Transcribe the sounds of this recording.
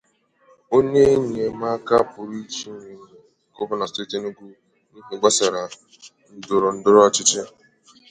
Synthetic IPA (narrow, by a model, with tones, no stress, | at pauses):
o˦ɲe˦ɲe˨˦ma˦ka˦pʊ˨ɾi˦t͡ʃi˦ne˨ko˦pʊ˦na˨ste˦te˦nu˦ɡu˦ | n̩˦˨ɡ͡ba˦sa˨ɾa˨ | n̩˦dʊ˨ɾʊ˨n̩˦dʊ˦ɾɔ˦t͡ʃɪ˦t͡ʃɪ˦